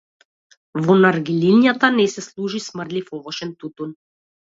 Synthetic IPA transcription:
vɔnaɾɡililjat̪anɛsɛslˠuʒismrd̪lifɔvɔʃɛnt̪ut̪un

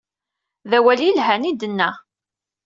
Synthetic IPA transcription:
ðæwæljəlɦænid̪ənːæ

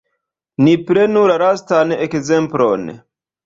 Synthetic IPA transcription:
nipɾenulaɾastanekzemplo̰n

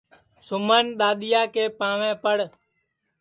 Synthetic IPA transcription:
sʊməːnɗ̪aːɗ̪ɪjaːkeːpãːʋɛ̃ːpəɽ

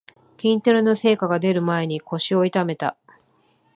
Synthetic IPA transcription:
kʲĩnt̪eɾɯ̟no̞se̞ːkaɡad̪e̞ɾɯ̟mae̞ɲ̟iko̞ɕio̞it̪ame̞t̪a̰

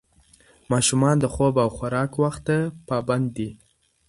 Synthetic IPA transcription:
mɑʃumɑnd̪əxobawxaɾɑkwaxt̪apɑband̪ːi

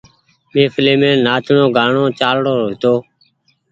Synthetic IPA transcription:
mẽːfʰleːmẽːnaːt͡ʃɳõːɡaːɳõːt͡ʃaːlɽoːɦɪt̪oː

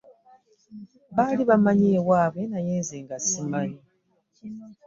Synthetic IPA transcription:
βaliβamaɲeːwaːβwe̞najeːnzeːŋɡasimaɲi

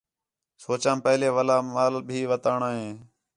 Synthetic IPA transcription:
soːt͡ʃãːmpəɦleːʋəlaːaːlbʱiːʋət̪aːɳaːɦẽː

